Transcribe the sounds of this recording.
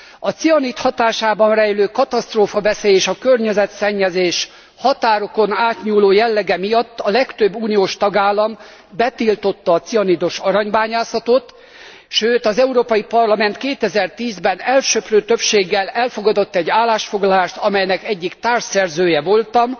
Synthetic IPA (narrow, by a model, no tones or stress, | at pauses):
ɒt̪siɒniːt̪hɒt̪aːʃaːbɒnrɛjløːkɒt̪ɒst̪roːfɒbɛseːjeːʃɒkørɲɛzɛt̪sɛɲːɛzeːʃ | hɒt̪aːɾo̞ko̞naːt̪ɲuːloːjɛlːɛɡɛmijɒt̪ːɒlɛkt̪øbːuːnijoːʃt̪ɒɡaːlːɒm | bɛt̪ilt̪o̞t̪ːɒːt̪siɒniːd̪o̞ʃɒɾɒɲbaːɲaːsɒt̪ot̪ | ʃøːt̪ɒzɛuɾoːpɒjipɒrlɒmɛnt̪keːt̪ɛzɛrt̪iːzbɛnɛlʃøprøːt̪øpʃeːɡːɛlɛlfo̞ɡɒd̪o̞t̪ːɛɟːaːlːaːʃfo̞ɡlɒlaːʃt̪ɒmɛjnɛkɛɟːikt̪aːrʃsɛrzøːjɛvo̞lt̪ɒm